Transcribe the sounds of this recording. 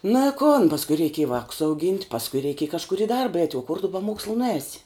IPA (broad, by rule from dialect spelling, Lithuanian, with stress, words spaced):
nɐ ɪ koːn pɐsˈkʊɪ rʲɛɪˈkʲeːj ˈʋɑːkʊs ɐʊˈɡʲiːnʲtʲ pɐsˈkʊɪ rʲɛɪˈkʲeːj kɐʃˈkʊr ɪ ˈdɐrbɐ ɛɪtʲ oː kʊr tʊ bʲɛ ˈmoːkslˠʊ nʊˈɛːsʲɪ